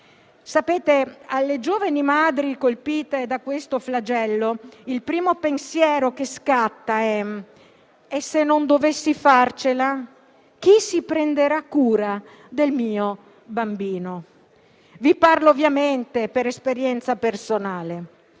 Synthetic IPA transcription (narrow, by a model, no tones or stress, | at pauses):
sapeːt̪ealːed͡ʒoːvanimaːd̪ɾikolpiːt̪ed̪akwest̪oflad͡ʒɛlːoilpɾiːmopensjɛːɾokeskat̪ːaɛ | esːenːond̪ovesːifart͡ʃela | k̟isipɾend̪eɾakːuːɾa | d̪elmiːo | bambiːno | viparloovjament̪epeɾespeɾjɛnt̪sapersonaːle